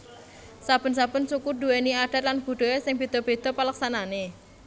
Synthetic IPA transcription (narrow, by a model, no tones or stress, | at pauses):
sab̥ə̤nsab̥ə̤nsukuɖ̪uweniaɖ̥a̤t̪̚lanb̥ṳɖ̪̥o̤esɪŋb̥e̤d̪̥ɔ̤b̥e̤d̪̥ɔ̤palaksanane